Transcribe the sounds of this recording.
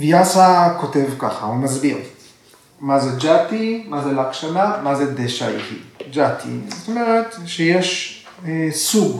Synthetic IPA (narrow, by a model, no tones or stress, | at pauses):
vijasako̞tevka̰χa̰umazbiʁ | mazed͡ʒatimazelakʃanamazedeʃaḭtḭd͡ʒatʰḭzot̪o̞meʁetʃejeʃ | suɡ